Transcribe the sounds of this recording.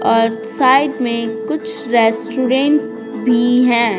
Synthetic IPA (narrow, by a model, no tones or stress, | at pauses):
ɔːɾsaːɪɖmẽkʊt͡ʃʰɾɛːsʈɾuːɾẽːɳʈ | bʱiɦɛ̃ː